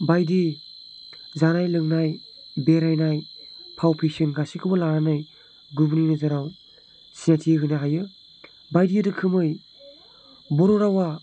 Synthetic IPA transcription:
bajdi | zanajlɯŋnajbeɾajnajpʰawpʰisinɡasikʰɯbɐlaɾanaj | ɡubninɯzaɾaw | siatʰiɯɦɯjnaɦajɯ | bajdiɯdɯkʰɯmɯj | bɔɾɔɾawa

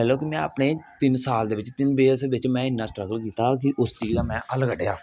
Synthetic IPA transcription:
ɛːloːkimɛ̃ːə̰ːpneːt̪ɪnsaːld̪eːʋɪt͡ʃt̪ɪnbeːsʋɪt͡ʃmɛ̃ːɪnːaːsʈɾəɡəlkiːt̪aːkɪʔʊst͡ʃiːzaːmɛ̃ːʔələɡəɖeːaː

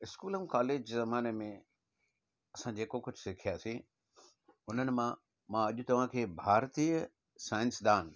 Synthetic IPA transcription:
ɪskuːləmkaːleːd͡ʑzɐmaːnemẽ | ɐsãd͡ʑeːkokʊd͡ʑʱʊsɪkʰijaːsĩ | ʊnənɪ̆mã | mãɐʄʊt̪ɐʋ̤ãkʰeːbʱaːɾt̪iːə | saːɪ̃nsd̪aːn

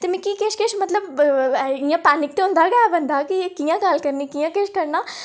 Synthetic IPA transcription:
t̪eːmɛ̃ːkiːkɪʃkɪʃmət̪ləb | ɪjãːpaːnɪk̚t̪eːɦʊ̃nd̪aːɡabənd̪aːkɪeːkijãːɡəlkəɾniːkijãːkɪʃkəɾnaː

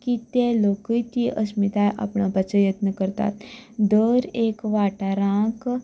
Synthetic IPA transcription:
kit̪eloːkəit̪iʔəsmit̪ajʔa̰pɳabɐt͡ʃəjət̪nəkəɾt̪a̰ːt̪d̪oːɾeːkʋaːʈaɾãːk

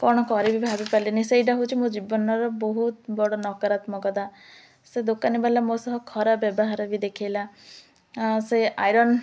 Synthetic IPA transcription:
kɔɽ̃ɔkɔɾibʱibʱabipaliniseiɖaɦot͡ʃʰimũd͡ʒibɔnɔɾɔbɔɦut̪̚bɔɽɔnɔkɔɾat̪mɔkɔd̪a | sed̪okanibalamosɔɦɔkʰɔɾabjɔbɔɦaɾɔbid̪ekʰijla | seajɾɔn

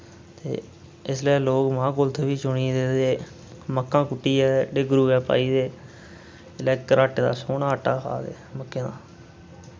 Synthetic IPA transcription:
t̪ḛː | ɪsleːloːkmãːkʊlt̪ʰebiːt͡ʃʊɳiːd̪eːd̪eː | məkːãːkʊʈːiːɛːɖeːɡɾuːɛːpa̰ːiːd̪eː | lɛːkːəɾaːʈd̪a̰ːsoːnaːəʈːaːkʰa̰ːd̪ḛːməkːeːd̪a̰ː

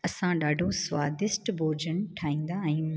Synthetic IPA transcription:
ɐsãɗaːɖʱosʋaːd̪ɪsʈbʱoːd͡ʑən̆ʈʰaːĩːn̆d̪aɛ̃ĩː

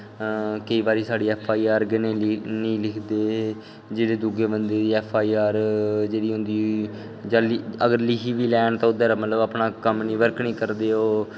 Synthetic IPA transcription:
kəiːbaːɾiːsaːɽiːɛːpʰaːiːaːɾɡənenĩːlɪkʰd̪eː | d͡ʒeːɽeːd̪uːɡeːbənd̪eːd̪iːɛːpʰːaːiːaːɾd͡ʒeːɽiːɦʊ̃nd̪iː | d͡ʒaːliəɡəɾlɪkiːʋiːlɛːɳt̪ãːʊd̪əɾmət̪ləbaːpnaːkəmnĩːʋəɾknĩːkəɾd̪eːoː

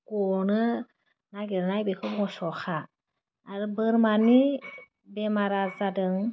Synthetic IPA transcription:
kɔnɯ | naɡeɾnajbekʰɯbŋɔsɔxaː | ɾɯbɯɾmani | bɛmaɾazadɯŋ

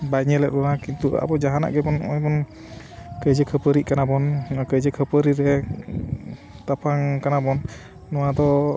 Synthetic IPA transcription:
baɲəlɛʔɾɔnakint̪ua̰bɔd͡ʒaɦana̰ʔɡɛpɔnɔjpɔn | kəd͡ʒəkʰəpəɾiʔkanapɔnkəd͡ʒəkʰəpəɾiɾɛ | t̪apʰaŋkanapɔnː | ɔwad̪ɔ

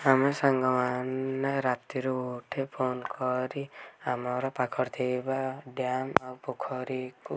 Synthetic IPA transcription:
amesaŋɡɔmanːaɾapt̪iɾuoʈʰepʰonkɔɾiamɔɾɔpakʰɔɾt̪ʰebaɖjamawpokʰɔɾiku

